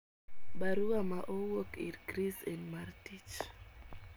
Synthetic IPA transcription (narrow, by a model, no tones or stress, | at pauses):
baɾuamaʔowokḭɾɡɾisɛ̃ndmartit͡ʃ